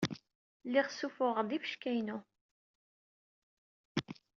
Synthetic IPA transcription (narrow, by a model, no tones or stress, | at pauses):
lːɪχsufʊʁd̪ifəʃkæjnu